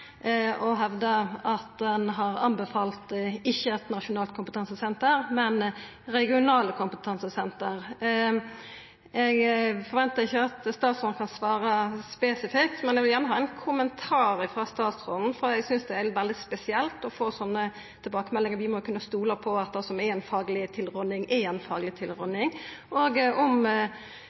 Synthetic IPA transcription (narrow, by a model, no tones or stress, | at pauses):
ɔɦɛʋd̪əɑt̪d̪ɛnɦɑɾɑnbəfɑːlt̪ɪçːəɛt̪nɑʂʊnɑːlt̪̚kʰʊmpət̪ʰɑnsəsɛnt̪əɾmɛn | ɾɛɡɪʊnɑːləkʰʊmpət̪ʰɑnsəsɛnt̪əɾ | ɛɡfɔɾʋɛnt̪əɾɪçːəɑt̪st̪ɑːt̪sɔn̩kʰɑnsʋɑːɾɑspesɪfɪkt̪mɛnɛɡʋɪljæːʁnəɦɑːɛnkʰʊmənt̪ʰɑːɾəfɾɑst̪ɑːt̪sʁɔnn̩fɔɾɛɡsʏnsd̪ɛæɾʋɛld̪ɪspɛsɪɛlt̪ɔfoːsɔnːə | t̪ʰɪlbɑːkəmɛlːɪŋəɾʋɪmɔkʰʉnːəst̪uːləpʰɔɑt̪̚d̪ɛsɔmæɛnfɑːɡlɪt̪ʰɪlʁɔnɪŋʔɛɛnfɑːɡlɪt̪ʰɪlɾɔnɪŋʔoːɡɔm